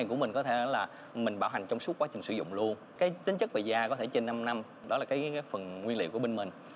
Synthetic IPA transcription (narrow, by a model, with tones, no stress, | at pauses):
ŋkəmï˨˩ŋ̟kɔ˨˦t̪ʰe˧˩˦laː˨˩ | mï˨˩ŋ̟ɓaː˧˩wɦa˨˩jŋ̟t͡ɕɔ˧wŋ͡msu˦˥t̚kwaː˨˦t͡ɕï˨˩ŋ̟sɨ̰˧˩zʊ̰˧˨ŋ͡mlu˧ən | kaː˨˦jt̪ï˨˦ŋ̟t͡ɕɨ˦˥k̚ve˨˩zaː˧kɔ˨˦t̪ʰe˧˩t͡ɕe˧nːa˧mna˧m | ɗɔ˨˦laː˨˩kaː˨˦kaː˨˦jfə˨˩nŋwi˧əl̰wku˧˩əe˧nmï˨˩ŋ̟